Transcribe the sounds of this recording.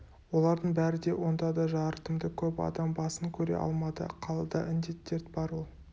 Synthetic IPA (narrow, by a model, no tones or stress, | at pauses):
wo̞lˠɑɾd̪əɴbæɾɪd̪e̞wʔo̞nd̪ɑd̪ɑʒɑɾt̪əmd̪əkʲʰɵpɑ̰d̪ɑmbɑsəŋkʲʰɵɾe̞̰ʔɑ̰lˠmɑd̪ə̰qʰɑlˠɑd̪ɑʔɪnd̪e̞t̪ːeɾd̪bɑɾwo̞lˠ